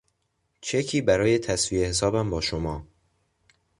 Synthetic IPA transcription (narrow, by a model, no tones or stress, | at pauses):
t͡ʃʰe̞cʰiːbæɾɒːje̞t̪ʰæsviːehes̬ɒːbæmbɒːʃomɒː